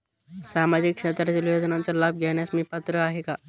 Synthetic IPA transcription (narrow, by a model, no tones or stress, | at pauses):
samad͡ʑikʂet̪ɾad͡ʑiljod͡znãnt͡salab̚ɡʱjeɽ̃jasmiːpət̪ɾəaɦeka